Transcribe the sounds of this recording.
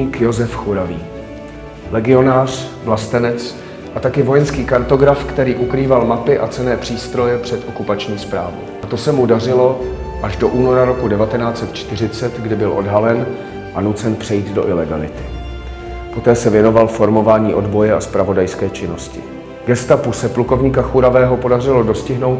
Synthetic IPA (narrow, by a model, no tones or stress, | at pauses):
kjo̞zɛfxuɾaviː | lɛɡɪo̞naːr̝̥vlast̪ɛnɛt͡s | ʔat̪akɪvo̞jɛnskiːkaɾt̪o̞ɡɾafkt̪ɛɾiːʔukɾiːvalmapɪʔat͡sɛnɛːpr̥iːst̪ɾo̞jɛpr̝̥ɛt̪ʔo̞kupat͡ʃɲiːspɾaːvo̰wʔat̪o̞sɛmudarɪlo̞ | ʔaʒdo̞ʔuːno̞ɾaɾokudɛvat̪ɛnaːt͡sɛt̪t͡ʃt̪ɪr̝ɪt͡sɛt̪ɡdɪbɪlʔo̞̰dɦalɛn | ʔanut͡sɛnpr̝̥ɛjiːd̪do̞̰ʔɪlɛɡalɪ̰t̪ɪ̥ | po̞t̪ɛːsɛvjɛno̞valfo̞ɾmo̞vaːɲiːʔo̞dbo̞jɛaspɾavo̞dajskɛːt͡ʃɪno̞scɪ̰ | ɡɛst̪apusɛpluko̞vɲiːkaxuɾavɛːɦo̞po̞dar̝ɪlo̞do̞scɪɦno̞wt̪